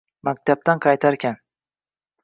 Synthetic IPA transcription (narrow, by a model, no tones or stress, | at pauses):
mak̚ʲt̪ʰab̚t̪anqʰɑjt̪ʰaɾkʲʰan